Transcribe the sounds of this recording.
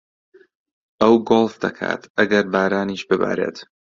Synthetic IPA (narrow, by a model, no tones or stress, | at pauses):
ʔɐwɡolˠfd̪ɐkʰa̰ːt̪ɐɡɐɾbaːɾaːniʃbɨba̰ːɾḛːt̪